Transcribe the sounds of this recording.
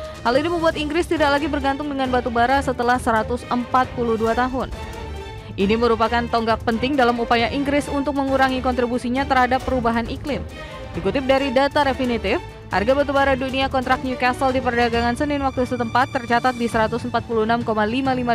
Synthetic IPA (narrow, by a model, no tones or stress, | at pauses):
haliniməmbuat̪iŋɡɾɪst̪idak̚laɡibərɡant̪ʊŋdəŋanbat̪ubaɾasət̪əlahsəɾat̪ʊsəmpat̪̚puluhduat̪aɦʊn | ʔiniməɾupakant̪ɔŋɡak̚pənt̪ɪŋdalamupajaʔiŋɡɾɪsunt̪ʊk̚məŋuɾaŋikɔnt̪ɾibusiɲat̪ərhadapːəɾubaɦanʔiklɪm | dikut̪ɪp̚daɾidat̪aɾefinit̪ɪf | ha̰rɡabat̪̬ubaɾaduniakɔnt̪ɾak̚nukasəldipərdaɡaŋansənɪnwak̚t̪usət̪əmpat̪ːərt͡ʃat̪at̪̚disəɾat̪ʊsəmpat̪̚puluhnamkomalimalima